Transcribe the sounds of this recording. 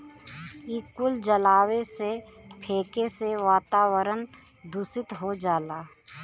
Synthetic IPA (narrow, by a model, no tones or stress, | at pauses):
iːkʊld͡ʒəlaːwesepʰeːkeseʋaːt̪aːwəɾən | d̪ʱʊsɪt̪ɦod͡ʒaːlaː